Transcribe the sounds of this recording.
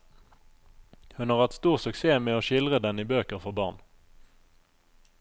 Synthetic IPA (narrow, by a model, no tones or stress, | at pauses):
hɵnhɑʁhɛt̪st̪uːʁsɵkseːmeːɔɕɪlʁəd̪ɛnɪbøːkəɾfɔʁbɑ̰ːɳ